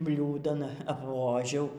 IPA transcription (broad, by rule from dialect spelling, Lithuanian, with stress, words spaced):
ˈbʲlʲuːdɐn ɐpˈʋoːʒʲɛʊ